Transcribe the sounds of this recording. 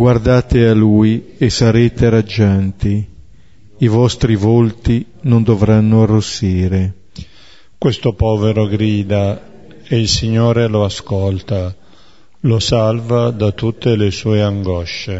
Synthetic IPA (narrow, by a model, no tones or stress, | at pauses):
ɡward̪aːt̪ealuːjesaɾeːt̪eɾad͡ʒːant̪i | ivɔst̪ɾivolt̪i | nond̪ovɾanːʊarːosːiːɾe | kwest̪opɔːveɾoɡɾiːd̪a | eilsiɲːoːɾeloaskɔlt̪a | losalvad̪at̪ːut̪ːelesuːeaŋɡɔʃːe